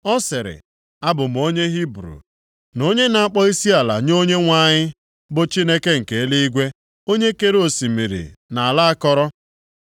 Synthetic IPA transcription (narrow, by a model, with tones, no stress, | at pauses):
ɔ˦sɪ˨ɾɪ̰˨ | a˦bʊ˨m̩˨o˦ɲe˦ɦi˦bɾṵ˨ | no˦ɲe˦na˨a˦k͡pɔ˦i˦si˦a˨la̰˨ɲo˦ɲe˦ŋʷa˦˨ɲɪ˦ | bʊ˨t͡ʃi˦ne˦ke˦ŋ̩˨ke˨˦li˦i˦ɡʷe˦ | o˦ɲe˦ke˦ɾo˨si˨mi˨ɾḭ˨na˨a˨la˦a˦kɔ˦ɾɔ˦